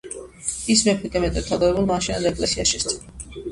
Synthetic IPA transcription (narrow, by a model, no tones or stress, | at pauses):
ismɛpʰɛt̪ʼɛmɛt̪ʼɛt̪ʰad̪avɛbulˠmaʃinad̪aɛkʼlɛsiaʃɛst̪ʰɛl